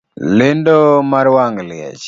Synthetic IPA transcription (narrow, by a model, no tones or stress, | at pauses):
lɪndomaɾwaŋlɪa̰t͡ʃ